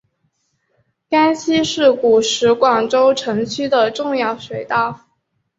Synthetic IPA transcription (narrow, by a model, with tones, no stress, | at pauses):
ka˥nɕi˥ʂɻ̩˥˩ku˨˩ʂɻ̩˧˥kwɑ˨˩ŋʈ͡ʂo˥ʊʈ͡ʂʰɤ˧˥ŋt͡ɕʰy˥d̪ə˨ʈ͡ʂʊ˥˧ŋjɑ˥˩ʊʂwe˨˩ɪt̪a˥˩ʊ˩